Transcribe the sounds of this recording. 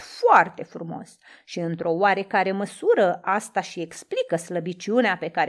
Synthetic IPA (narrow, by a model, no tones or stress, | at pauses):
foart̪e̞fɾumo̞̰s | ʃiɨnt̪ɾo̞oaɾe̞kaɾe̞məsuɾəʔast̪aʃie̞ksplikəsləbit͡ʃiuneape̞kaɾe